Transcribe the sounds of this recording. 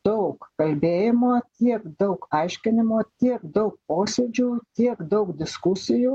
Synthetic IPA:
d̪̥ɐʊkkɐlʲbʲeːjɪmoːt̪ʲiɛkd̪ɐʊkɐɪʃʲkʲɪnʲɪmoːt̪ʲiɛkd̪ɐʊk̚poːsʲed͡ʒʲuːt̪ʲiɛkd̪ɐʊkd̪ʲɪskʊsʲɪjuː

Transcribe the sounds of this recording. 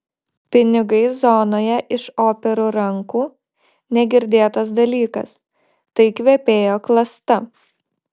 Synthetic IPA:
pʲɪnʲɪɡɐɪzɔnoːjɛʔɪʃoːpʲɛɾuːɾɐŋkuː | nʲɛɡʲɪɾʲd̪ʲeːt̪ɐsd̪ɐlʲiːkɐ̰s | t̪ɐɪkʋʲɛpʲeːjoːklˠɐst̪ɐ

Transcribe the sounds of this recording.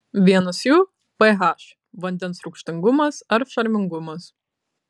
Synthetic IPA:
ʋʲiɛnɐsjuː | pɐɦɑʃ | ʋɐnʲd̪ʲɛnsɾʊkʃʲt̪ʲɪŋɡʊmɐsɐɾʃɐɾʲmʲɪŋɡʊmɐs

